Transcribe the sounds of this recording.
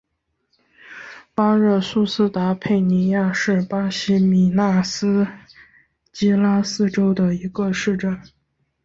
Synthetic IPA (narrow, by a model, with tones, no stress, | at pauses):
pa˥ɻə˥˩su˥sɹ̩˥t̪a˧˥pʰe˥˩ɪni˧˥ja˥˧ʂɻ̩˥˩pa˥ɕi˥mi˨˩na˥˩sɹ̩˥ | t͡ɕi˥la˥sɹ̩˥ʈ͡ʂo˥ʊd̪ə˨i˧˥ɡə˧ʂɻ̩˥˧ʈ͡ʂə˥˩n